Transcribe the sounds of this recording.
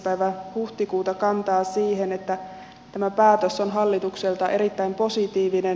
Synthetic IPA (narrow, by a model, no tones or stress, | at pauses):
pæjʋænhuht̪ikuːt̪ɑkɑnt̪ɑːsiːɦenet̪ːæ | t̪æmæpæːt̪øso̞nɦɑlːit̪ukselt̪ɑʔe̞ɾit̪ːæimpo̞sit̪iːʋinen